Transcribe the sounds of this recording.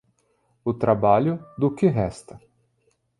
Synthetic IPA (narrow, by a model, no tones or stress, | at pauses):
ʊt̪ɾabaʎʊd̪ʊkɪɦɛst̪ɐ